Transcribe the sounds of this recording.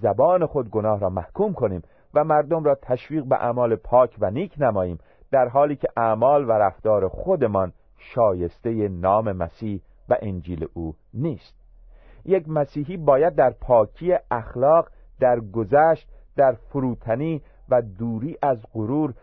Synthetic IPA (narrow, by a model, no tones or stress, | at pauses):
zæbɒːne̞xo̞d̪̚ɡo̞nɒːhɾɒːmæhkʰuːmkʰo̞niːm | væmæɾd̪o̞mɾɒːt̪ʰæʃviːɣbḛʔæ̰mɒːle̞pʰɒːkʰvæniːkʰnæmɒːjiːm | d̪̥æɾɦɒːliːcʰeʔæmɒːlvæɾæft̪ɒːɾexod̪e̞mɒn | ʃɒːje̞st̪e̞jenɒːme̞mæ̰siːh | væ̰ʔend͡ʒiːlḛʔuː | niːst̪̚ | jecmæsiːɦiːbɒːjæd̪̚ːæɾpʰɒːcʰijeʔæxlɒːɢ | d̪æɾɡozæːʃt̪̚d̪̥æɾfoɾuːt̪ʰæniː | væd̪uːɾiːʔæzɢoɾuːɾ